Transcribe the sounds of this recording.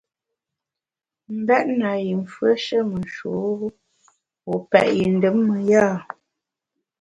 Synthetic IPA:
m̩˨bɛ˦ʔ̚na˨ji˨m˨fwə˦ʃə˦mə˨n˨ʃo˨˦ | wo˨pɛ˨ʔji˨n̩˨də˨˦mːə˨ja˦˨

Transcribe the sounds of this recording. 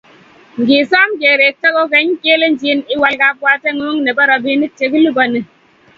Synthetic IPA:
ŋ̩˨ɡi˨sɔ˦m˦ke˨ɾe˨te˦ɣo˦ke˨˦ŋ̩˦ke˦le˦n̩˦d͡ʒi˦ni˦wa˦lka˦kwa˦te˦ŋo˦ŋne˨ba˦ɾɔ˨bi˦ni˦te˨k̬i˦lu˦bɔ˨ne˨

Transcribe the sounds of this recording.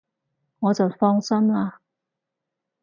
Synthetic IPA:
wɔ˨˥t͡sə˨˩fɑ˥ŋsə˥na˨

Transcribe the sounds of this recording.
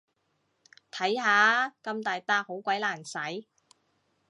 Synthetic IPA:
t̪ʰɐ˨˥jhaː˨˥kɐ˧mt̪aː˨jt̪aː˧k̚ho˨˥wkʷɐ˨˥jlaː˨˩nsɐ˨˥j

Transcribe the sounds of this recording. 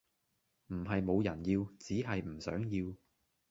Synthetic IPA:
m̩˨˩ɦɐ˨jmo˨˧wjɐ˨˩njiː˧wt͡siː˨˥ɦɐ˨jm̩˨˩sœ̰ː˨˥ŋjiː˧w

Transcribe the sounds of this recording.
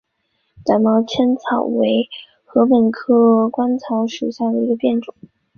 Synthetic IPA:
t̪a˨˧˩nmɑ˧˥ʊt͡ɕʰjɛ˥nt͡sʰɑ˨˩ʊwe˧˥ɪ | xɤ˧˥pə˨˩nkʰɤ˥kwa˥nt͡sʰɑ˧˥ʊʂu˨˩ɕja˥˩d̪ə˨˩i˧˥ɡə˧pjɛ˥˩nʈ͡ʂʊ˨˩˦ŋ

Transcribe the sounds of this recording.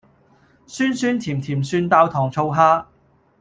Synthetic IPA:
syː˥nsyː˥nt̪ʰiː˨˩mt̪ʰiː˨˩msyː˧nt̪aː˧wt̪ʰɔː˨˩ŋt͡sʰo˧wɦaː˥

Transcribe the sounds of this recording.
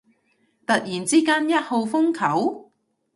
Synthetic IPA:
t̪ɐ˨t̚jiː˨˩nt͡siː˥kaː˥njɐ˥t̚ho˨˧wfʊ˥ŋkʰɐ˨˥w

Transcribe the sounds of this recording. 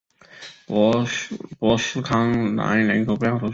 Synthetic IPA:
pwɔ˧˥ʂɹ̩˥kʰɑ˥ŋna̰˧˥nlə˧˥ŋkʰo˨˩pu˧˥jɑ˥˩ʊt̪ʰo˧˥

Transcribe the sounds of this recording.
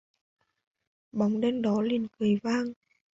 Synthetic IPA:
ɓa˨˦wŋ͡mɗɛ˧nɗɔ˨˦li˨˩ənki˨˩˨jvaː˧ŋ

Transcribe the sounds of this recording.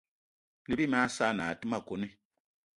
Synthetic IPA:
li˦i˦m˦a˦saː˦˨naː˨ti˦ma˦˨ko˨˦ni˦

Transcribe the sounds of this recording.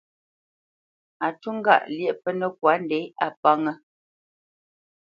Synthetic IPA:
a˨tu˦ŋ̩˦ɡa̰˦˨ʔljɛ˦˨pə˦nə˨k̚wa˨˦n˦dɛ˨˦a˨pa˦ŋə˦

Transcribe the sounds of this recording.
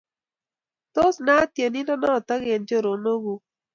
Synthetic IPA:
to˦sna˦tje˨ni˦nɔ˦nɔ˦˨ta˦ɡe˨nd͡ʒo˦˨ɾo˨no˦ɡu˦

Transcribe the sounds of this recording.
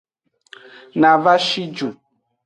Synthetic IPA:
nã˨va˦ʃi˦d͡ʒu˨

